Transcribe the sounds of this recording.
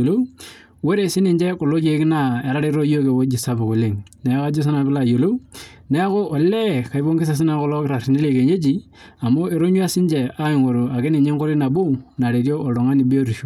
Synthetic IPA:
o˨lo˦ | wo˦ɾe˨sɪ˦nɪ˨nd͡ʒɛ˦kʊ˨lo˦ke˨˦kɪ˦na˦e˨ɾa˦ɾe˦ɾo˦jo˦ke˨wo˦d͡ʒi˨sa˦bʊ˨ko˨le˨ŋna˨˦ka˦d͡ʒo˦s̬i˦na˨bɪ˦la˦˨jo˨lo˦wnɛ˦ko˦ʔɔ˨lɛ˦ka˨i˦bo˦ŋɡɪ˦s̬a˨s̬ɪ˦na˦kɔ˦lɔ˦kɾa˨ɾɪ˨nɪ˦le˨ke˨ɲe˦d͡ʒi˨ | a˨mo˦e˨ɾo˦ɲu˦a˦sɪ˦nd͡ʒɛ˨a˦ɪ˨ŋo˨ɾo˨a˨ke˦nɪ˨ɲe˦ŋko˦ɾi˦na˨bo˦na˨ɾe˨ɾo˦ʔɔ˨dɔ˨ŋa˦ni˨bi˦o˦ɾi˨ʃo˨

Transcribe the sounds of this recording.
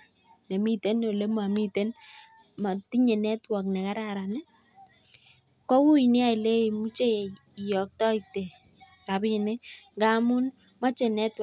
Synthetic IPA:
nɛ˨mi˦te˦no˨le˦ma˨mi˦te˦n | ma˨ti˦ɲɛ˨nɛ˦twɔ˨knɛ˨ka˦ɾa˦ɾa˨nɛ˦ | kɔ˦wu˦i˨nɪ˦a˨i˨le˦˨mu˦t͡ʃe˦˨ | jɔ˨k̚tɔ˦ɪ˨te˨ | ka˨bɪ˦˨nɛ˦ɡa˦mʊ˦n | mɔ˦t͡ʃe˨nɛ˦tw

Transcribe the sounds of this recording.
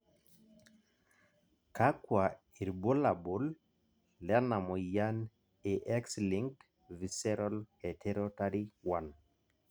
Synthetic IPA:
ka˦kwa˨ | i˨ɾbo˦la˨bu˨˦lː | ɛ˦na˨mo˨ja˦n | e˨ʔɛ˦ksli˨ŋt | vi˨sɛ˦ɾɔ˦lhɛ˨tʰe˦ɾɔ˦ta˦ɾi˦wa˨n

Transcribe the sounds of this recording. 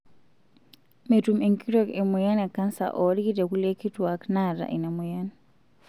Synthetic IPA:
metume˨ŋki˦ɾɔ˨ke˨mu˨ja˦na˨kːa˦nsa̰˨ʔɔ˨ɾi˦ki˦tɛ˨ku˦le˦ki˦twa˨kna˦˨ɾa̰˨ʔi˨na˨mu˨jan

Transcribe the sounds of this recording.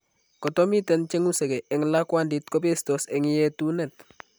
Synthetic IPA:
kɔ˨to˦mi˦tɛ˨˦nt͡ʃɛ˦ŋusɛ˨ɡe˨ʔɛ˨ŋla˦kwanditko˦pe˦stɔsɛ˨ŋi˦jetunɛ˨t

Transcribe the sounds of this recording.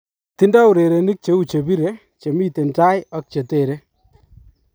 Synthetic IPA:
t̪i˦nda˦u˨ɾe˨ɾe˨ni˦k̚t͡ʃe˨˦u˦t͡ʃe˨bi˦ɾe˦ | t͡ʃe˨mi˦t̪e˨nta˦ja˨k̚t͡ʃe˨t̪e˨ɾe˦

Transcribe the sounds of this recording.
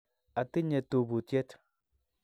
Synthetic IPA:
a˨ti˦ɲe˨to˨bu˨tje˦t

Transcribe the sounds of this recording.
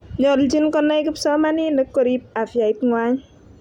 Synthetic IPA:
ɲɔ˨ld͡ʒi˦nkɔ˦nːa˦jkɪ˦psɔ˦ma˦ni˦nə˦kːo˨ɾi˦p̚a˨fja˨i˦tŋwa˦ɲ

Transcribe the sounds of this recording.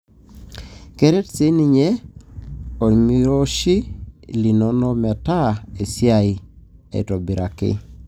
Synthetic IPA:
ke˦ɾɛ˦tse˦ni˨ɲe˦ | o˨mi˦ɾo˦ʃi˦li˨no˨no˦mɛ˨ta˦e˨si˦a˨i˨ | ḛ˨to˨bi˨ɾʔa˨kɪ̰˦

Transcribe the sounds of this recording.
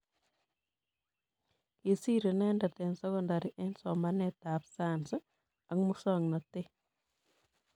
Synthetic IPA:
ke˨si˦ɾe˨nɛ˦nda˨tɛ˨nsɔ˦kɔnda˨ɾiʔɛ˦nsɔ˨manɛta˨psans | a˨kmu˦sɔ˦ŋnɔ˨te˦

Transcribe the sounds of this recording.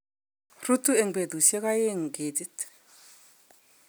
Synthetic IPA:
ru˦t̪u˦e˨ŋbe˨d̪u˨se˦ka˦je˦˨ŋ˨ɡe˨ti˦t

